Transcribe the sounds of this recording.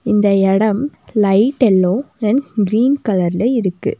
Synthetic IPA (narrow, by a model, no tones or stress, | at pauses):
ɪnd̪ɐɛɽɐmlɐɪʈːɛlːõːɛnɡɪɾiːnkɐlɐɾɪlɐɪɾɯkːɯ̰